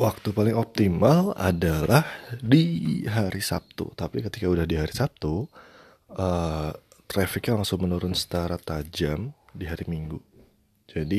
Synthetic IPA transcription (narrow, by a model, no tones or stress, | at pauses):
wak̚t̪upalɪŋɔp̚t̪imala̰dalʔahdiɦaɾisa̰p̚t̪ṵt̪apikət̪ikaudahdiɦaɾisap̚t̪u | ə | t̪ɾafɪkjalaŋsʊŋmənuɾʊnsə̥t̪aɾat̪ad͡ʒamdiɦaɾimiŋɡu | d͡ʒadi